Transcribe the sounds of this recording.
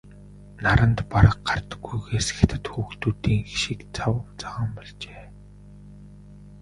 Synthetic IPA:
naɾə̆nt̪paɾə̆q̚ɢart̪ə̥̆ɡːujɣeːsĕ̥xt̪ʰə̆t̪xuːxt̪uːt̪iːŋxʃikt͡sʰawət͡saʁə̆mpɔɮt͡ɕeː

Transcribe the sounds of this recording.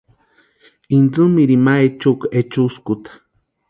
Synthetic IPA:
ind͡zɨmiɾimaet͡ʃuket͡ʃuskut̪ḁ

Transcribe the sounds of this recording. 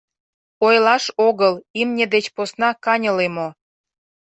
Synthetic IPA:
ojlɑʃoɣəlimnʲĕd̪et͡ɕposnɑkɑnʲəlemo

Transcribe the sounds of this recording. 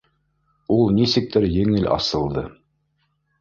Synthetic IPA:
ulˠnisɘ̆k̚t̪ɘɾjɘ̆ŋɘlɑ̰sɤ̆lˠd̪ɤ

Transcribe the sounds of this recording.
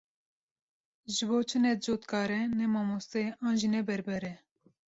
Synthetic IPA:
ʒɨboːt͡ʃʰɨnɛt̪̚d͡ʒoːt̪kʰɑːɾɛnɛmɑːmost̪eɑːnʒiːnɛbɛɾbɛɾɛ

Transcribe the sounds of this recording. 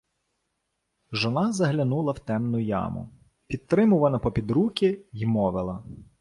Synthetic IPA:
ʒɔnɑzɐɦlʲɐnulˠɐwt̪ɛmnʊjɑ̰mʊ̰ | pʲit̪̚t̪ɾɪmʊʋɐnɐpɔpʲid̪ɾukʲijmɔʋɪlˠɐ

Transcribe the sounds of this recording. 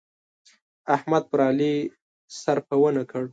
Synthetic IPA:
ahmad̪̚pɾɑli | saɾpawənakəɽ

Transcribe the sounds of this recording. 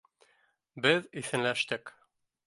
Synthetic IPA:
bɘðiθɘ̆nlæʃt̪ɘk

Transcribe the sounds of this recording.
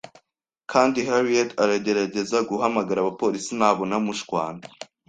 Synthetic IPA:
kʰaːndiɦaɾietaɾaɟe̞ɾaɟe̞zaɡuɦamaɡaɾaβapo̞ɾisinaːβo̞namuʃkwaːna

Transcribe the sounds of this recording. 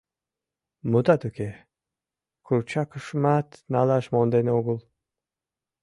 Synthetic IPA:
mut̪at̪ukʰe | kʰʊɾt͡ʃʰakʰʊʃmat̪nalaʃmond̪enoɡulˠ

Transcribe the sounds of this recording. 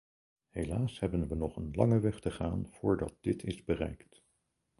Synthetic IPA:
helaːshɛbənʋənɔχənlɑŋəʋɛχtəχaːnv̥ʊːɹdɑ̰t̚dɪtʰɪzbərɛ̰jkt

